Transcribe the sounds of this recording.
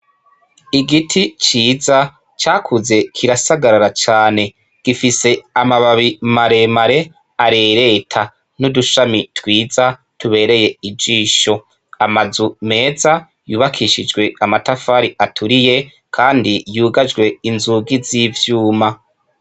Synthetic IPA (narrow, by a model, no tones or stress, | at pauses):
iɡitʰit͡ʃiːza | t͡ʃaːkʰuze̞kʰiɾasaɡaɾaɾat͡ʃaːne̞ | ɡ̥ifise̞amaβaβimaɾe̞maɾe̞ | aɾe̞ːɾe̞tʰa | nuduʃamitwiːza | tuβe̞ːɾe̞je̞id͡ʒiːʃo̞ | amazume̞ːza | juːβakʰiʃid͡ʒɡwe̞amatafaːɾiʔatʰuɾije̞ | kʰaːndijuːɡad͡ʒɡwe̞inzuɡiziːvjuːma